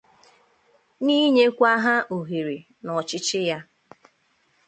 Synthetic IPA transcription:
niː˦ɲe˦kʷa˦ɦa˦ʔo˨ɦe˨ɾe˨ | nɔ˨t͡ʃɪ˦t͡ʃɪ˦ja˦

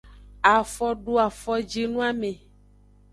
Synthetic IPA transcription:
a˨fɔ˦ɖo˦a˨fɔ˦d͡ʒi˦nũ˦a˦me˨

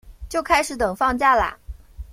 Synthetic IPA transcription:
t͡ɕjo˥˩ʊkʰa˥ɪʂɻ̩˧˥t̪ɤ˨˩ŋfɑ˥˧ŋt͡ɕja˥˩la̰˨˩

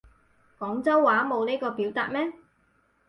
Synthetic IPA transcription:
kɔː˨˥ŋt͡sɐ˥wːaː˨˥mo˨˧wneː˥kɔː˧piː˨˥wt̪a̰ː˨t̚mɛː˥

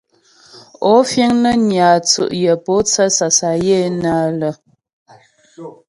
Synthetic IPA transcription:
ɔ˨˦fje˦ŋnə˦ɲjaː˨t͡sṵ˨ʔjə˨po˨˦t͡sə˦sa˨sa˨je˦˨na˦lə˨

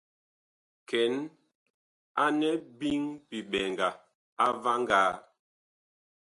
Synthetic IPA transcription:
kɛ˨˦n | a˦nɛ˦bi˦ŋpi˨ɓɛ˨ŋɡa˨ | a˦va˦ŋɡaː˦

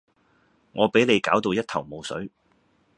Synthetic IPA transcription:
ŋɔː˨˧pe˨˥jle˨˧jkaː˨˥wt̪o˧wjɐ˥t̚t̪ʰɐ̰˨˩wmo˨˧wsɵ̰˨˥ɥ

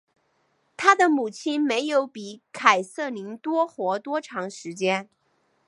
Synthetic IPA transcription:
t̪ʰa˥d̪ə˨mu˨˩t͡ɕʰi˥nme˧˥ɪjo˧˥ʊpi˧˩kʰa˨˩ɪsɤ˥˩li˧˥ŋt̪wɔ˥xwɔ˧˥t̪wɔ˥ʈ͡ʂʰɑ˧˥ŋʂɻ̩˧˥t͡ɕjɛ˥n

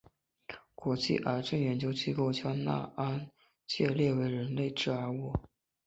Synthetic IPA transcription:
kwɔ˧˥t͡ɕḭ˥˩ʔa˞˧˥ʈ͡ʂə˥˩njɛ˧˥nt͡ɕjo˧˥ʊt͡ɕi˥˧ko˥˩ʊt͡ɕʰjɑ˥ʊna̰˥˩a˥n | t͡ɕjɛ˥˧ljɛ˥˩we˧˥ɪɻə˧˥nle˥˧ɪʈ͡ʂɻ̩˥˩a˞˧˥wɔ˥˩

